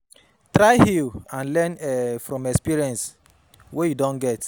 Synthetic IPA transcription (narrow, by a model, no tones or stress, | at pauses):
tɾajhilãnlɛnɛfɾɔ̃mɛkspiɾiɛ̃ns | wejudɔ̃nɡɛt